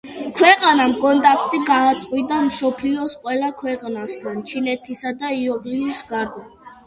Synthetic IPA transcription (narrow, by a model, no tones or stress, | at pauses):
kʰwɛqʼanamkʼɔnt̪ʼak̚ʰt̪ʼiɡaːt̪sʼqʼwid̪amsɔpʰliɔsqʼwɛlakʰwɛqʼnast̪ʰant͡ʃʰinɛt̪ʰisad̪aiɔɡliisɡaɾd̪a